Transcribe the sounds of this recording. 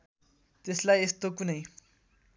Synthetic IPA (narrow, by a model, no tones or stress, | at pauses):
t̪eslajest̪okunʌj